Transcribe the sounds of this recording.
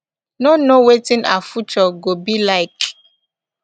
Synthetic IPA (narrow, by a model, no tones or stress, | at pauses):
nonowetĩnʔa̰fut͡ʃɔɡobilaɪk